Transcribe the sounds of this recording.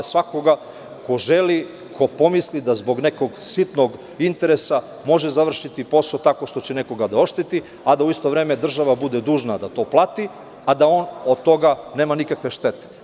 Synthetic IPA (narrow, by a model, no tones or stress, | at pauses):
sʋako̞ɡa | ko̞ʒeli | kʰo̞po̞mislid̪azbo̞ɡneko̞ɡsit̪noɡ | int̪e̞ɾesa | mo̞ʒezaʋr̩ʃit̪ipo̞sot̪ako̞ʃt̪ot͡ɕeneko̞ɡad̪ao̞ʃt̪et̪i | ad̪auist̪o̞ʋɾe̞ːmed̪r̩ʒaʋabud̪ed̪uːʒnad̪at̪o̞ːplˠat̪i | ad̪ao̞ːnod̪̚t̪o̞ɡane̞ːmanikakʋe̞ʃt̪e̞t̪e̥